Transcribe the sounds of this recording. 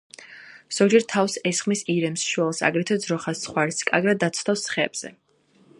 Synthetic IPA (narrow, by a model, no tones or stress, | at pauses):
z̥ɔɡd͡ʒɛɾt̪ʰafsɛsχmisiɾɛmsʃwɛlˠsa̰ɡɾɛt̪ʰɛd̪zɾɔχasːχwaɾiskʼaɡɾad̪ːat̪sʰt̪afsχɛːb̥z̥ɛ̰